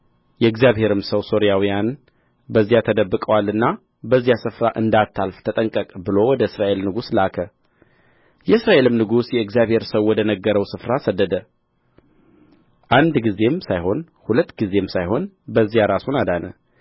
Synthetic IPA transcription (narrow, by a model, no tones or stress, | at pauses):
jɛɨɡzjaβhe̞ɾɨmsəwso̞ɾijawijan | bəzːijat̪ʰəd̪əbːɨkʼəwalɨnːa | bəzːijasɨfɾaʔɨnd̪at̪ʰːalft̪ʰət̪ʼəŋkʼəkʼbɨlo̞wɔd̪əɨsɾaʔe̞lnɨɡuslakʰə | jɛɨsɾaʔe̞lɨmnɨɡusjɛɨɡzijaβhe̞ɾsəwːɔd̪ənəɡːəɾəwsɨfɾasəd̪ːəd̪ə | ʔand̪ɡize̞msajho̞n | hulət̪ːɡize̞msajho̞n | bəzːijaɾasunad̪anə